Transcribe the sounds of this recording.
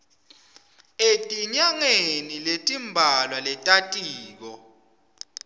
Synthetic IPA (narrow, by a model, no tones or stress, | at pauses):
etʼiɲaŋeniletʼimbʱalwalɛtʼatʼiːk̬ɔ